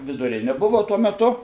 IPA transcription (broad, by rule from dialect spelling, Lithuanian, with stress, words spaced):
ʋʲɪdʊˈrʲɪnʲɪ ˈbʊʋʊ ˈtuɔ mʲɛˈtʊ